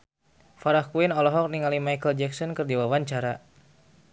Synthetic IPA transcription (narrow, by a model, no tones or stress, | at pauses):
faɾahkuinɔlɔɦɔk̚niŋalimajkəld͡ʒɛksɔnkərdiwawaɲt͡ʃaɾa